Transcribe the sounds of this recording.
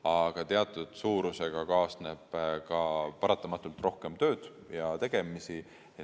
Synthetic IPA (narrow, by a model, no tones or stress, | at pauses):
ɑɡ̥ɑt̪e̞ɑt̪ːˑud̪̥suːɾuse̞ɡ̥ɑkɑːsne̞b̥kɑpɑɾɑt̪ːˑɑmɑt̪ːˑult̪ro̞hke̞mt̪ø̞ːd̪̥ | jɑt̪e̞ɡ̥e̞misi